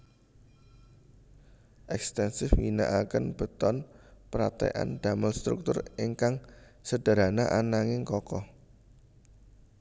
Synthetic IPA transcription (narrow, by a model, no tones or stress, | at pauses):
ʔɛkst̪ɛnsɪfwina̰ʔakənb̥ə̤t̪ɔnpəɾat̪ɛ̰ʔa̰nd̥aməlst̪ɾṵk̚t̪ʊrɪŋkaŋsəd̥ə̤ɾanaʔanaŋɪŋkɔkɔ